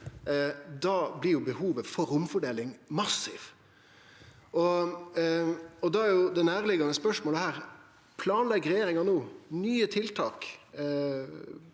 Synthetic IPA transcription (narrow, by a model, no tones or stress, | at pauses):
d̪ɑːblɪjʊbəhuːʋəfɔɾʊmfɔɖeːlɪŋmɑsɪʋ | ɔ | ɔd̪ɑæɾjʊd̪ɛnæːɾlɪɡɑnəspœʂmoːləhæːɾ | pʰlɑːnlɛɪɡɾɛjeːɾɪŋɑnoːnyːət̪ʰɪlt̪ʰɑːk